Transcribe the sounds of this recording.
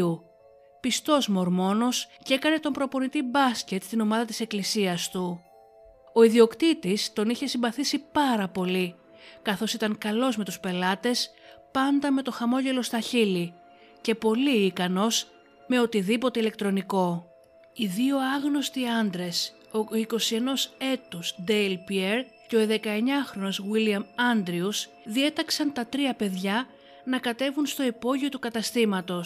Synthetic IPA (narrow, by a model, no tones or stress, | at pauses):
u | pist̪o̞zmo̞ɾmo̞no̞scekɐne̞t̪o̞mpɾo̞po̞nit̪ibɐsce̞t̪st̪ino̞mɐðɐt̪i̥se̞klisiɐst̪u | o̞iðio̞kt̪it̪ist̪o̞niçe̞simbɐθisipɐɾɐpo̞li | kɐθo̞sit̪ɐŋkɐlo̞zme̞t̪uspe̞lɐt̪e̞s | pɐnd̪ɐme̞t̪o̞xɐmo̞ʝe̞lo̞st̪ɐçili | ce̞po̞liːkɐno̞s | me̞o̞t̪iðipo̞t̪e̞ile̞k̚t̪ɾo̞niko̞ | iðio̞ɐɣnost̪iɐnd̪ɾe̞s | oiko̞sie̞no̞se̞t̪usd̪elpieɾ | ce̞o̞ðe̞kɐe̞ɲɐxɾo̞no̞zwiliɐmɐnd̪ɾius | ðie̞t̪ɐksɐnt̪ɐt̪ɾiɐpe̞ðʝɐ | nɐkɐt̪e̞vunst̪o̞ipo̞ʝio̞t̪ukɐt̪ɐst̪imɐt̪o̞s